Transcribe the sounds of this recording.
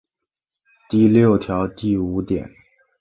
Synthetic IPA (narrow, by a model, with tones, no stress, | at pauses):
t̪i˥˧ljo˥˩ʊt̪ʰjɑ˧˥ʊt̪i˥˩u˧˥t̪jɛ̰˨˩˦n